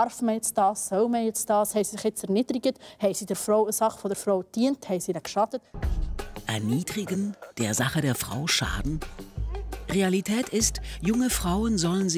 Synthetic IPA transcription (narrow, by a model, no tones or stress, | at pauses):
ɑɾfməjɛt͡sd̥ɑːsːœwməjɛt͡sd̥ɑːshɛɪsisɪχjɛt͡sɛɾnidɾiɡəthɛɪsidɛɾfɾoʊəsɑχfɔdəɾfɾowtd̥iənthɛɪsinɛkʃɑtət̚ | ʔɛɐniːdʁiɡənd̥eːɐzaχədeːɐfʁ̥a̰ʊʃa̰ːdn̩ | ʁealitʰɛːtʰɪstjʊŋəfʁ̥aʊənzɔlənzi